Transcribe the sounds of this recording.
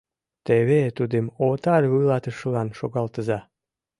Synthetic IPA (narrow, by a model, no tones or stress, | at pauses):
t̪eβet̪ud̪emot̪ɑlʲβɨlɑt̪əʃlɑnʃoɣɑlt̪əzɑ